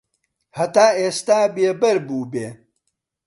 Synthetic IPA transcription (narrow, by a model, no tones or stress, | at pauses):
hɐt̪aːeːst̪aːbeːbɐɾbuːbeː